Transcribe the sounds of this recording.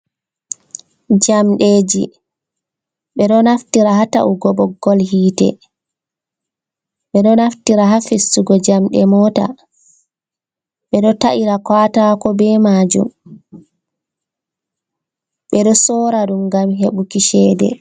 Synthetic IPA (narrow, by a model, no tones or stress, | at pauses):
d͡ʒamɗed͡ʒi | ɓɛɗɔnaftiɾaɦata̰ʔuɡɔɓɔɡɔlhiːtɛ̰ | ɓɛɗɔnaftiɾaɦafesːuɡɔd͡ʒamɗɛmɔːta̰ | ɓɛɗɔtaʔiɾakwaːtakɔbɛmad͡ʒṵm | ɓɛɗɔsɔɾaɗumɡamɦeɓukiʃɛːdɛ̰